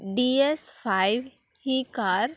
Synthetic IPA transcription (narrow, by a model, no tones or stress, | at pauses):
ɖiespʰaɪʋ | hikaɾ